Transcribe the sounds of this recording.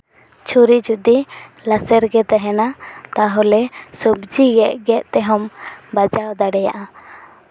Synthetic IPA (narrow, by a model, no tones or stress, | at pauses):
t͡ʃʰuɾid͡ʒud̪ilasɛɾɡɛt̪aɦɛnat̪aɦɔlɛsɔbd͡ʒiɡɛʔɡɛʔt̪ɛɦɔmbad͡ʒawd̪aɽɛja̰ʔa